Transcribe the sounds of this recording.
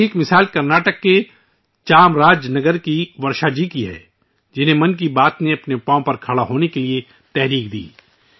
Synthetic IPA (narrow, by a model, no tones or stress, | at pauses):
ɪkmɪsaːlkɐɾnaːʈəkːe | t͡ʃaːmɾaːd͡ʒnɐɡəɾkiʋɐɾʃad͡ʒikiɦɛ̰ː | d͡ʒɪn̤ɦẽmɐnk̬ibaːt̪neɐpneʊpãːõpɐɾkʰɐɽaɦoːnekelie | t̪ɛɦɾiːk̚d̪ḭː